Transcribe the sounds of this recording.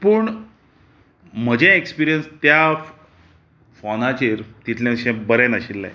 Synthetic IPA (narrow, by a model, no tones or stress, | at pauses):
pəɳ | m̤əd͡ʑẽekspiɾijənst̪ja | fɔnat͡ɕeɾt̪it̪ʰljãɕẽbəɾenaəɕilːa̰j